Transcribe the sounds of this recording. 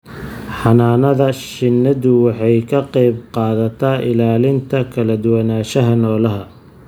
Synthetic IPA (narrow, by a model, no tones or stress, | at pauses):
ħɑnaːnɐðɐʃɪnːɐðʊwɑħɑjkʰɐqɛjbqɑːðɐt̪ʰaːʔɪlaːlɪnt̪ʰɐkʰɐlɐd̪ʊwɑnaːʃɐɦɐnɔːlɐɦɐ